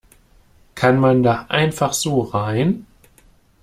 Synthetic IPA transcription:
kʰanmandaːʔa̰ɪnfaχz̥oːʁaɪn

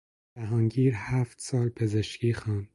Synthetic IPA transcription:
bæɦɒːnɟiːɾhæːft̪sɒːlpʰe̞zeʃciːxɑːn

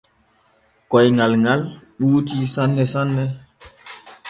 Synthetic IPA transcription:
kɔjŋalŋalɗuːtisanːɛsanːɛ

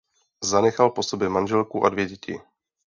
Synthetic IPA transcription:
zanɛxalpo̞sobjɛmanʒɛlkuʔa̰dvjɛɟɛcʰɪ̰

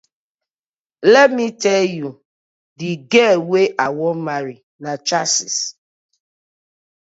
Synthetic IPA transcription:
lɛtmitɛlju | diɡɛweʔawɔmaɾi | nat͡ʃasḭs

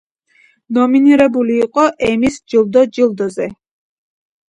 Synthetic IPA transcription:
nɔminiɾɛbuliːqʼɔʔɛmisd͡ʒilˠd̪ɔd͡ʒilˠd̪ɔzɛ

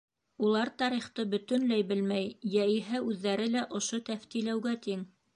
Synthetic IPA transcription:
ulˠɑɾt̪ɑɾiχt̪ɤbɵ̆t̪ɵ̆nlæjbɘlmæjjæiɦæʉðːæɾɘlæʔŏʃot̪æft̪ilæwɡæt̪iŋ

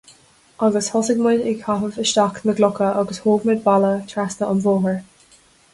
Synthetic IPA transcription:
ʔʌɡəshɔsɪɡmɪdɪkʰafəvəʃtakməɡlʊkəʔɔɡəshoːɡmɪd̪̚balət̪ʰɹastəʔənvoːɦəɹ

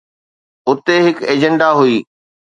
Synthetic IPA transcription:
ʊt̪eɦɪkeːd͡ʑə̃ɳɖaɦuiː

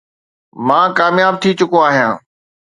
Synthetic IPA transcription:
mãːkaːmjaːb̚t̪ʰit͡ɕʊkoaːɦijã̰ː

